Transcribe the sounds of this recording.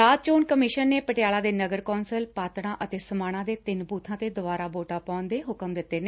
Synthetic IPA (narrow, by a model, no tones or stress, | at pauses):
aːd̪̚t͡ʃoːɳkəmɪʃənːeːpəʈɪjaːlaːd̪eːnəɡəɾkɔːnsəlpaːt̪ɽ̃ãːʔət̪eːsəmaːɽ̃ãːd̪eːt̪ɪnbuːt̪ʰãːt̪eːd̪ʊʋaːɾaːboːʈaːpɔ̃ːnd̪eːɦʊkəmd̪ɪt̪ːeːneː